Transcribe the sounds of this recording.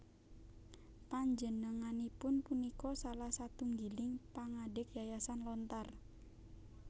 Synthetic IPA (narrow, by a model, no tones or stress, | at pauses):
paɲd͡ʒənəŋanipʊnpunikɔsalahsat̪uŋɡilɪŋpaŋaɖɪk̚jajasanlɔnt̪ar